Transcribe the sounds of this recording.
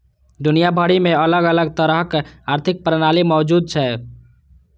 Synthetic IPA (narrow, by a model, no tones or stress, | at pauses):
d̪ʊnijabʱəɽimẽələɡələɡ̚t̪əɾəɦkaːɾt̪ʰɪk̚pɾənaːlimɔːd͡ʒuːd̪̚t͡ʃʰɛ